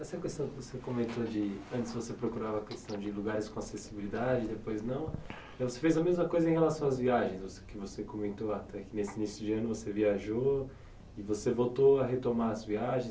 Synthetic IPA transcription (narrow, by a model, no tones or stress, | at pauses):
ɛsɐkest̪ɐ̃w̃kɪvosekomẽnt̪od͡ʒɪɐ̃t͡ʃ̪ɪsvosepɾokuɾavɐɐkest̪ɐ̃w̃d͡ʒɪluɡaɾɪskõasesibilid̪ad͡ʒɪd̪epojznɐ̃w̃ | ɛvosefejzɐmezmɐkojzɐẽj̃helasɐ̃w̃aɐzviaʒẽj̃zosʊkɪvosekomẽnt̪oat̪ɛkɪnesɪinisjʊd͡ʒɪɐ̃nʊvoseviaʒo | ɪvosevowt̪oɐɦet̪omaɾɐzviaʒẽj̃